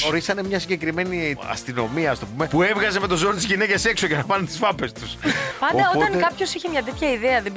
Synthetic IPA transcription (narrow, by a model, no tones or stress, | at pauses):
oɾisɐnemɲɐsiɲɟe̞kɾime̞niɐ̰st̪ino̞miɐɐst̪o̞pume̞pue̞vɣɐze̞me̞t̪o̞zoɾot̪izʝine̞cese̞kso̞ʝenɐpɐnut̪i̥sfɐpe̞st̪uspɐnod̪ɐooɐŋtkɐpço̞siçemɲɐt̪̬et̪çɐiðeɐðe